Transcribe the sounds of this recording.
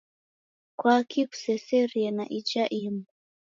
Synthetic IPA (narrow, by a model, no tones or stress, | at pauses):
kwakʰiku̥sɛsɛɾiɛna̰ʔit͡ʃaʔima